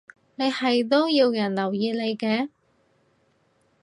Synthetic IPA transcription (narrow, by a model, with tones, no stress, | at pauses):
ne˨˧jhɐ˨jt̪o˥wjiː˧wjɐ˨˩nlɐ˨˩wjiː˧le˨˧jkɛː˧˥